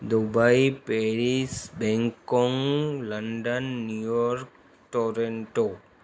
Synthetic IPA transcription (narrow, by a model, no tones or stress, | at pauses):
d̪ubaipeɾisbɛ̃ŋkɔ̃ŋləɳɖənːjujɔɾk | ʈoːɾẽɳʈo